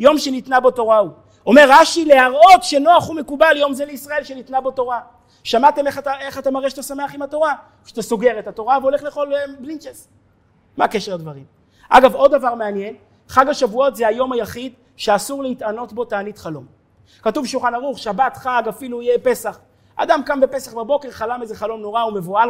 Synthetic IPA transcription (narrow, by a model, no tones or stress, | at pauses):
jo̞mʃenitnabo̞to̞ʁau | o̞me̞ʁːaʃile̞aʁo̞tʃe̞no̞aχumekubaljo̞mzeleisʁae̞lʃenitnabo̞to̞ʁa | ʃamat̪e̞meχataeχatamaʁeʃt̪asame̞aχimhato̞ʁa | ʃt̪asoɡe̞ʁetato̞ʁaveo̞leχleχo̞lblint͡ʃesː | akeʃeʁad̪vaʁim | ʔa̰ɡavo̞d̪ːavaʁmeanje̞n | χaɡaʃavuo̞tzeajo̞majaχid̪ | ʃeasuʁleitano̞tbo̞taːnitχalo̞m | katuvʃulχanaʁuχʃabatχaɡafiluijepe̞saχ | a̰d̪amkambe̞pe̞saχbabo̞ke̞ʁχalamezeχalo̞mno̞ʁaume̞voal